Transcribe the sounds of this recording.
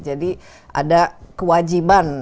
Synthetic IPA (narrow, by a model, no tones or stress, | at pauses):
d͡ʒadi | ʔa̰dakəwad͡ʒiban